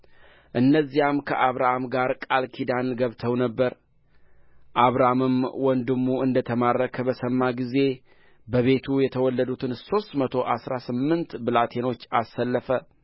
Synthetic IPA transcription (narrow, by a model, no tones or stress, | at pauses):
ʔɨnːəzːijamkʰəʔaβɾamɡaɾkʼalkʰid̪anɡəβt̪ʰəwnəbːəɾ | ʔaβɾamɨmwɔnd̪ɨmːuɨnd̪ət̪ʰəmarːəkʰəbəsəmːaɡize̞ | bəβe̞t̪ʰujɛt̪ʰəwɔlːəd̪ut̪ʰɨnso̞st̪mət̪ʰo̞ʔasɾasɨmːɨnt̪bɨlat̪ʰe̞no̞t͡ʃːasːəlːəfə